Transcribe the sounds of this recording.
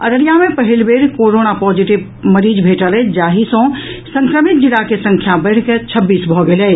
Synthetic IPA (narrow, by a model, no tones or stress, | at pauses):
ə̰ɾəɾjamepəɦilbeɾkoɾonapɔd͡ʒiʈiʋ | məɾid͡ʒbʱeʈəlɛd͡ʒaɦisõ | sə̃ŋkɾəmit̪̚d͡ʒiɽakesə̃ŋkʰjabəɪɽket͡ʃʰəbːisbʱɔɡelɛ